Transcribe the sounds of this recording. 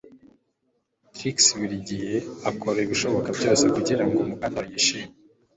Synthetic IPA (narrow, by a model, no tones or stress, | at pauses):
tɾiksβiɾiɟihe̞akʰo̞ɾeiβiʃo̞βo̞kabɟo̞ːse̞kuɟiɾaŋɡomukandajiʃiːme